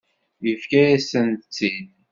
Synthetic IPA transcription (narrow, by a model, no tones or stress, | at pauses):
jəfkæjæsənt̪t͡sːin